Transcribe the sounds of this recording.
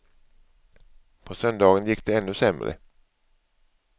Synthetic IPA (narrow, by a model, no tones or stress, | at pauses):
pʰɔsœnd̪ɑːɡənjɪkːd̪ɛɛnːɵsɛmɾə̰